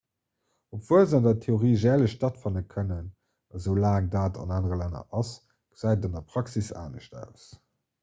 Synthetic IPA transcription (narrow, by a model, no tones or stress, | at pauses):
opv̥uəlzɑndɐtʰeoʁiːʒɛːləɕtɑtfɑnəkʰənən | ɑzəʊlaːŋdaːtɑ̰naːnəʁəlænɐ̰ʔɑs | ɡ̥əz̥æɪdɑndɐpʁ̥ɑksisa̰ːnəɕtæ̰ʊs